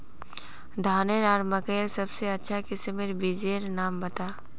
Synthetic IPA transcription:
d̪ʱaːneɾaːɾməkəjəsɐbseɐtːʃʰakɪsemeɾbid͡ʒeɾnaːmbɐt̪aː

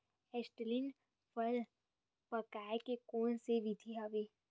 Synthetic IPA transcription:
ɛsʈlin | pʰəl | pəkaːekekoːnseʋit̪ʰiaʋeː

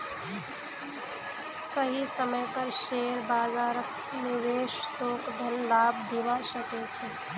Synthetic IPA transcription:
səɦisəməjpəɾʃeɾbaːzaːɾək | nɪʋeʃt̪oːkɖʱənlab̚d̪iʋaʃəket͡ʃʰe

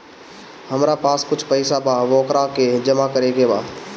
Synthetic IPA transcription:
həmɾapaːskʊt͡ʃʰpɐɪsabaʋoːkɾaked͡ʒəmakəɾeɡebaː

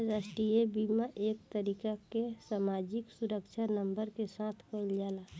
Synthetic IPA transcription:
ɾasʈijebiːmaʔeːk̚t̪əɾiːkakesaːmaːd͡ʒɪksʊɾəkʃʰanə̃mbəɾkesaːt̪ʰkəld͡ʒaːla

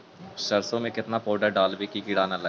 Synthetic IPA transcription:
ʃɐɾsõmẽkɪt̪napɔːɖəɾɖaːlʋikiɡɪɽaːnalɐ

